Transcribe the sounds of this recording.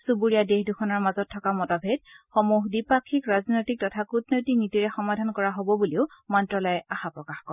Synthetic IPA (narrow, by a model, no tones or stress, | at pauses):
subuɹijadehdukʰɔnaɹmazɔtʰːɔkamɔtabʱedxɔmuɦdipakʰːikɹaznojtik̚tɔtʰakutnojtik̚nitiɹɛxɔmadʱankɔɹaɦobɔbuliʊmɔntɹɔlɔjɛaxapɹɔkaxkɔɹɛ